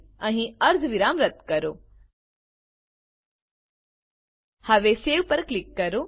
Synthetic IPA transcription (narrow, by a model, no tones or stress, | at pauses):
ɐ̃ɦĩɐɾd̪ʱʋiɾaːmɾət̪kɐɾoː | hɐʋeseːʋpɐɾklikːɐɾoː